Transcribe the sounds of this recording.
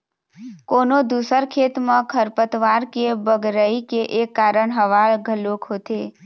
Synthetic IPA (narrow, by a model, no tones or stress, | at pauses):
konod̪usəɾkʰet̪mãkʰəɾpət̪ʋaɾkebəɡɾəikeʔekːaɾəɳɦəʋaɭɡʱəlokɦot̪e